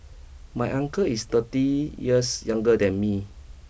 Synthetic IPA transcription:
majʔãŋkəist̪ətijəsjãŋɡədɛ̃nmi

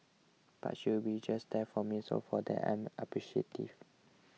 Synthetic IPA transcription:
b̥a̰tʃubid͡ʒasdɛfɔmiso̰fɔdɛ̰ã̰mʔəpɹiʃietḭv

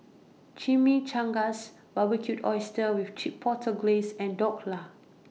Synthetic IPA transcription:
t͡ʃimit͡ʃãŋɡas | babikʰjutɔjstəwift͡ʃipʰːɔtʰəɡlesɛ̃ndɔk̚la

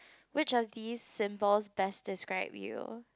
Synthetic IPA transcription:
wɪt͡ʃɔvðiːzsɪ̃mbəlˠzbɛsd̥ɪskɹaɪbjṵ

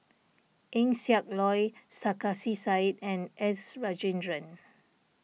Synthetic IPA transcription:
ʔɛ̃ŋsiak̚lɔjsakasisajtɛ̃nʔɛsɹad͡ʒĩndɹə̃n

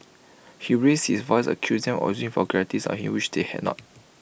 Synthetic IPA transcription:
hiɹes̚hisvɔɪsə̰kʰjusdɛ̃mɔ̰zĩŋfɔɡɹɛtisɔ̰̃nhḭ̃mwiʃdehɛ̰dnɔ̰t̚

